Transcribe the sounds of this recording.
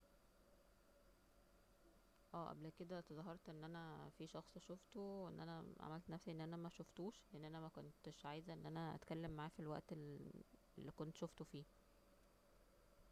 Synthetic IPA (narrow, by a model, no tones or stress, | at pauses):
ʔæːʔæ̰blked̪æt̪ezˤɑɦɑɾˤt̪ʔenːʔænæfiʃɑxsˤʃoft̪oʔenːʔænæʕa̰mælt̪næfsiʔenːʔænæmæʃoft̪uːʃleʔenːʔænæmækont̪ʃʕaːjzæʔenːʔænæʔæ̰t̪kælːemːaʕaæːfilwæ̰ʔt̪e | lːikont̪ʃoft̪ofiː